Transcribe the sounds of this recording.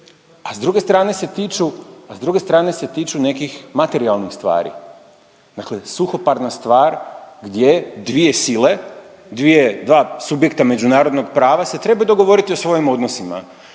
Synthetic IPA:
azd̪ɾuɡe̞st̪ɾaːne̞se̞t̪it͡ʃuazd̪ɾuɡe̞st̪ɾaːne̞se̞t̪iːt͡ʃune̞kixmat̪e̞ɾialˠnixst̪ʋa̰ːɾḭ | d̪akle̞suxo̞paɾnast̪ʋaːɾɡd̪je̞d̪ʋie̞sile̞ | d̪ʋie̞d̪ʋaːsubje̞kt̪ame̞d͡ʒunaːɾo̞d̪noɡpɾaːʋase̞t̪ɾe̞bajud̪oɡo̞ʋo̞ɾit̪io̞sʋo̞jimo̞d̪no̞sima̰

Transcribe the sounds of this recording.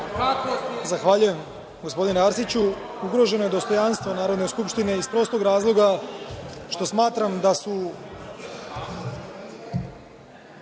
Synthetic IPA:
zaxʋaʎuje̞m | ɡo̞spo̞d̪ineaɾsit͡ɕu | uɡɾo̞ʒe̞no̞je̞d̪o̞st̪o̞janst̪ʋo̞naːɾo̞d̪neskupʃt̪ine̞ispɾo̞ːslˠo̞ɡɾaːzlˠo̞ɡa | ʃt̪o̞smaːt̪ɾamd̪asu

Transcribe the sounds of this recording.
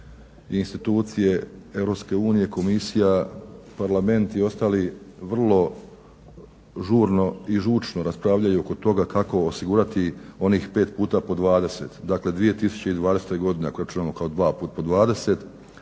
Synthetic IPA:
inst̪it̪uːt̪sije̞e̞ʋɾo̞pske̞uːnije̞ko̞misijapaɾlame̞nt̪io̞st̪aliʋr̩lˠo̞ | ʒuːɾno̞iʒut͡ʃno̞ɾaspɾaʋʎajuoko̞t̪o̞ɡakako̞ːsiɡuːɾat̪io̞niːxpe̞ːt̪puːt̪apo̞d̪ʋaːd̪e̞se̞t̪d̪akle̞d̪ʋije̞t̪isu̥t͡ɕe̞id̪ʋaːd̪e̞set̪ojɡo̞d̪inekojɾat͡ʃunamokaod̪ʋaːpuːt̪̚po̞d̪ʋaːd̪e̞se̞t̪

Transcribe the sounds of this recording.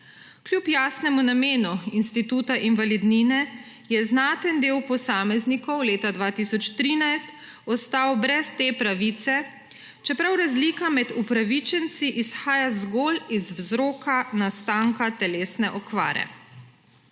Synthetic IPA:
klʲjupjaːsnɛmunameːnuinst̪it̪uːt̪aʔinʋalid̪ninɛ | jɛznaːt̪ənd̪eːwpɔsaːmɛznikɔwleːt̪ad̪ʋaːt̪isɔt͡ʃt̪ɾiːnajst̪ | ɔst̪aːwbɾɛst̪eːpɾaʋit̪sɛ | t͡ʃɛpɾawɾazlikamɛd̪upɾaʋit͡ʃɛnt̪siʔisxaːjazɡolizwzɾoːkanast̪aːŋkat̪ɛleːsnɛʔɔkʋa̰ːɾɛ̰

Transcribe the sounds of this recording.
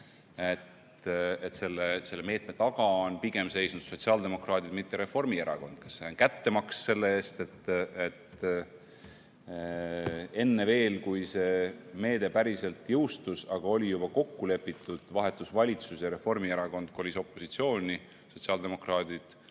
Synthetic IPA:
et̪ | et̪se̞lːese̞lːeme̞ːt̪me̞t̪ɑɡɑonpiɡ̥e̞mse̞jsnud̪̥so̞t̪siɑːld̪e̞mo̞krɑːd̪id̪̥mit̪ːeɾe̞fo̞rmieɾɑko̞nd̪̥kɑ̥sːenkæt̪ːe̞mɑksse̞lːe̞eːst̪e̞t̪ːet̪ | e̞nːe̞ve̞ːlkujse̞ːme̞ːd̪̥e̞pæɾise̞lt̪jɤwst̪usɑɡ̥ɑo̞lʲijub̥ɑko̞kːule̞pːˑit̪ːˑud̪̥vɑɦe̞t̪ːˑusvɑlʲit̪susjɑɾe̞fo̞rmieɾɑko̞nd̪̥̚kolʲiso̞pːo̞sit̪sio̞ːnʲi | so̞t̪siɑːld̪e̞mo̞krɑːd̪id̪̥

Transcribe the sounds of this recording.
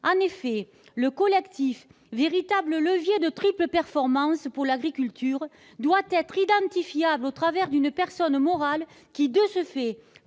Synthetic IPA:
ɑ̃nefɛ | ləkɔlɛkt̪if | veʁit̪ablələvjed̪ət̪χipləpɛʁfɔʁmɑ̃spuʁlaɡʁikʲylt̪ʰyʁ | d̪wat̪ɛt̪χid̪ɑ̃t̪ifjablot̪χavɛʁd̪ynəpɛʁsɔnmɔʁal | kʲid̪əsəfɛ

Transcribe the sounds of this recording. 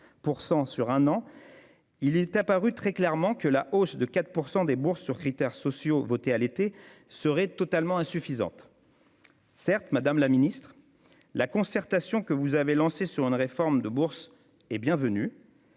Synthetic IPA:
puʁsɑ̃syʁɛ̃nɑ̃ | ilɛt̪apaʁyt̪χɛklɛʁmɑ̃kəlaʔosd̪əkat̪χpuʁsɑ̃d̪ebuʁsːyʁkχit̪ɛʁsɔsjovot̪ealet̪e | səʁɛt̪ɔt̪almɑ̃ɛ̃syfizɑ̰̃t̪ | sɛʁt̪mad̪amlaminist̪χ | lakɔ̃sɛʁt̪asjɔ̃kəvuzavelɑ̃sesyʁynʁefɔʁmd̪əbuʁs | ɛbjɛ̃vəny

